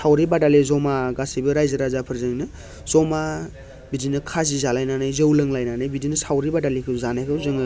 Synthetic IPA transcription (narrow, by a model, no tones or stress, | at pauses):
sawɾibadalezɔmaɡasibɯɾajzɯɾazapʰɯɾzɯŋnɯ | zɔma | bidinɯkʰazizalajnanajzɯwlɯŋlajnanajbidinɯsawɾibadalikʰɯwzanajkʰɯwzɯŋɯ